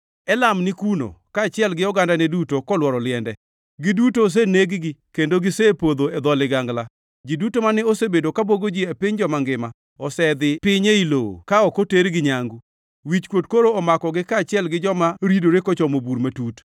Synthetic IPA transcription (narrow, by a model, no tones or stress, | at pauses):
ɛlamnɪkuno̰kaːt͡ʃɪɛlɡɪɔɡandanɛdutokɔlwɔɾɔlɪɛndɛ | ɡɪdutos̬eneɡɡɪkendoɡɪsepod̪oed̪ɔlɪɡaŋɡla | d͡ʒidutomanɛosebedokaboɡod͡ʒiepɪɲd͡ʒɔmaŋɡɪma | ɔsɛd̪ɪpɪɲeilo̰kaɔkoteɾɡɪɲaŋɡu | wit͡ʃkwotkoɾoɔmakɔɡɪkaːt͡ʃɪɛlɡɪd͡ʒɔmaɾidoɾekɔt͡ʃɔmobuɾmatut